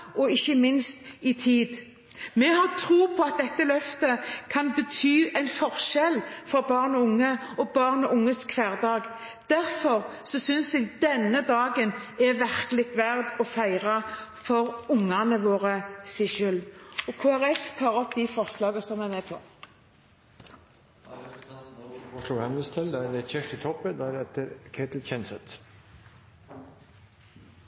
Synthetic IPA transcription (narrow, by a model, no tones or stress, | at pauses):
ɔɪçːəmɪnst̪ɪt̪ʰiːd̪ | mɛhɑʁt̪ʰɾuːpʰɔɑt̪̚d̪ɛt̪ːəlœft̪əkʰɑnbət̪ʰyːæɪnfɔɾʃɛlfɔɾbɑːʁnəʊŋːəɔbɑʁnəʔʊŋːəskʰʋæːʁd̪ɑːɡ | d̪̥æɾfɔɾsɔsʏnsɛɡd̪ɛnːəd̪ɑːɡənɛʋæɾkəlɪɡ̚t̪ʋæʁd̪ɔfæɪʁɑfɔɾʊŋːɑnəʋoːʁəsɪʃʉlɔkʰuːæʁɛft̪ʰɑːʁɔpːd̪ɪfɔʁslɑːɡəsɔmæmeːpʰɔ̰ | ɔʂluːɡhɛnəst̪ʰɪld̪æd̪ɛt͡ʃʰɛʃɪt̪ʰɔpːəd̪æɾɛt̪əɾkʰeːt̪l̩t͡ʃɛnsət̪